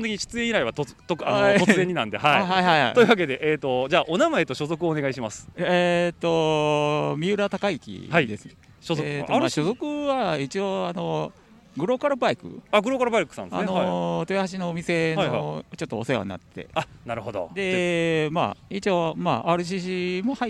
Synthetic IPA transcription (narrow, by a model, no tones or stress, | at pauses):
õnt̪ekiɲiɕɨ̥t͡sɨẽiɾaiβat̪ot̪okanoaoɨzẽ̞ɲ̟ːinãnd̪ehahaiɦaiha̰ḭoiɯ̟βake̞d̪e̞ʔeːt̪o̞d͡ʑaːʔonamae̞t̪o̞ɕo̞zo̞kɯoːne̞ɡaiɕimasɨ̥et̪o̞ | mʲiɯ̟ɾat̪akaikʲḭhaid̪esɨne | ɕozoet̪omaɕo̞zo̞kɯ̟βait͡ɕioano̞ | ɡɯ̟ɾo̞kaɾɯbaikɯ̟̰aɡɯ̟ɾokaɾɯbaikɯ̥sã̰nd̪a̰not̪ojahaɕ̬ino̞ːmʲise̞naot͡ɕo̞t̪ːoːsoeβa̰ɲina̰t̪ːe̞̰anaɾɯ̟hod̪o̰d̪e̞ma̰it͡ɕiomaaːɾɯ̟ɕ̬iɕimo̞hai